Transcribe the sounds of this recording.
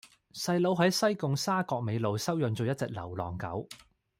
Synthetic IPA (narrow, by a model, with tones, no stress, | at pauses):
sɐ˧jlo˨˧wɦɐ˨˥jsɐ˥jkʊ˨˧ŋsaː˥kɔː˧k̚me˨˧jlo˨˧wsɐ˥wjœ˨˧nt͡so˨˧wjɐ˥t̚t͡sɛ˨˥k̚lɐ̰˨˩wlɔ̰ː˨˩ŋkɐ̰˨˥w